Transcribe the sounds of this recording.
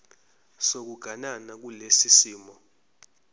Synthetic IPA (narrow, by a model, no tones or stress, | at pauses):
sok̬uɡ̥ʱananak̬ulesisiːmɔ